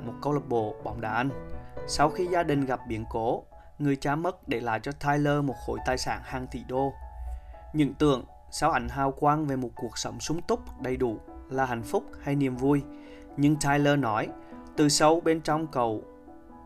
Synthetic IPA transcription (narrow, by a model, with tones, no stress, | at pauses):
mo˨˩t̚kə˧wlə˨˩p̚ɓo̰˧˩˨ɓɔ˨˦wŋ͡mɗaː˧˩ʔa˧n̟sa˧wxi˧zaː˧ɗï˨˩ŋ̟ɣa˨˩p̚ɓi˨˦ənko˨˦ | ŋɨ˨˩əjt͡ɕaː˧mə˦˥t̚ɗe˧˩laː˨˩t͡ɕɔ˧t̪ʰaː˧jləː˧mo˨˩t̚xo̰˧˩˦jt̪aː˨˩jsa̰ː˧˩nhaː˨˩ŋt̪ḭ˧˩ɗo˧ | ɲɨ̰˧˥ŋt̪ɨ̰˧˨əŋ | saː˨˦wʔa˨˩jŋ̟ɦaː˨˩wkwaː˧nve˨˩mo˨˩t̚ku˨˩ək̚sə˨˧˦wŋ͡msʊ˨˦ŋ͡mt̪ʊ˦˥k͡p̚ɗə˨˩jɗu˧˩laː˨˩ɦa̰˧˩˨jŋ̟fʊ˦˥k͡p̚ha˧jni˨˩əmvu˧j | ɲɨ˧ŋt̪ʰaː˧jləː˧nɔ˨˦jt̪ɨ˨˩sə˧wɓe˧nt͡ɕɔ˧wŋ͡mkə˨˩w